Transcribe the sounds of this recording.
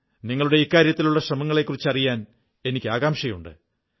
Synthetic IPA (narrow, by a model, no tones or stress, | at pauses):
niŋːɐɭuɽe̞ikːaːɾjɐt̪ːiluɭːɐɕrɐmɐŋːɐɭe̞kːurit͡ɕːɐrijaːn | e̞nikʲːɨaːɣaːmʂɐjuɳɖɨ̰